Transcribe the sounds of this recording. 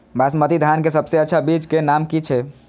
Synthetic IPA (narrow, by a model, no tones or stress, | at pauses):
basmət̪id̪ʱankesəbseətːʃʰabid͡ʒt͡ʃkenamkit͡ʃʰɛ